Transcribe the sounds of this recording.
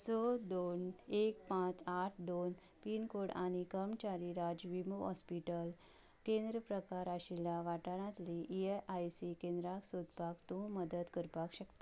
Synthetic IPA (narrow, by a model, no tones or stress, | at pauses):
t͡sɔd̪onek̚pãt͡saʈʰd̪on | pinkoɽa̰ɽ̃ikəmt͡ɕaɾiɾad͡ʑʋimuɦɔspiʈəl | kẽnd̪ɾəpɾəkaɾaɕilaʋaʈəɽãt̪liʔeʔajsikẽnd̪ɾaksod̪pakt̪ũməd̪əd̪kəɾpakɕəkt̪